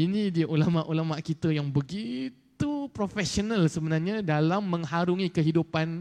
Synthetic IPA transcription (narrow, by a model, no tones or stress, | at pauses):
inĩdiaʔulamaʔulamaʔkit̪əjaŋbəɡit̪upɾofɛsonalsəbənarɲãdalamːə̃ŋɦaɾuŋikəɦidupan